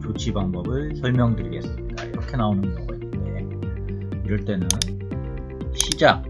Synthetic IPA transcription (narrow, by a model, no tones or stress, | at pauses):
t͡ɕot͡ɕʰibaŋbʌbɯɭsʰʌɭmjʌŋdɯɾiɡe̞s͈ɯmɲidaiɾʌkʰe̞naonɯnɡʌɡʌinːɯnde̞ | iɾʌɭt͈e̞nɯn | ɕʰid͡ʑa